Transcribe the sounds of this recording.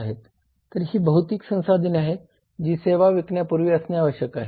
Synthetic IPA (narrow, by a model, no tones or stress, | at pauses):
ɦet̪ː | əɾhiːbəɦut̪iːksə̃w̃sad̪ʱinaɦet̪ | d͡ʑiːseʋaʋikɳjapuɾʋiːəsnjaʋəɕjəkaɦe